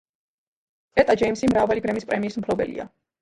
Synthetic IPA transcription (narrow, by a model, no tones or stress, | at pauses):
ɛt̪ʼad͡ʒɛjmsimɾavalibɾɛmispʼɾɛmiːsm̩pʰlɔbɛ̰lḭa̰